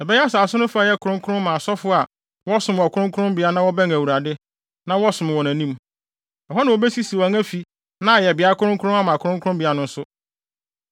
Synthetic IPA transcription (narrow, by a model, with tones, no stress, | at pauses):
ɛ˨bɛ˦jɛ˦a˦saː˨sʊ˦nʊ̃˦fʊ˦a˨jɛ˦kʰʊ˨ɾʊ̃˦ŋkʰʊ˦ɾʊ̃˦m˦mã˨sɔ˦fʊ˦a˨ | wɔ˦sʊ̃˨m˨wɔ˨kʰʊ˦ɾʊ̃˦kʰʊ˦ɾʊ̃˦mbɪ˨˦a˦nã˦wɔ˦bɛ˦ŋ˨æ˨wu˨ɾa˨dɪ˦ | nã˦wɔ˦sʊ̃˨m˨wɔ̃˨næ̃˨nĩ˦m | ɔ˨ɦɔ˦nã˨wo˨bɛ˦si˦si˨wɔ˨ŋæ̃˦fi˨ | nã˦˨jɛ˨bɪ˨a˦kʰʊ˦ʊ̃˦ŋkʰɾʊ̃˦m˦a˦mã˨kʰʊ˦ɾʊ̃˦ŋkʰʊ˦ɾʊ̃˦mbi˨˦a˦nʊ̃˦n̩˦sʊ˦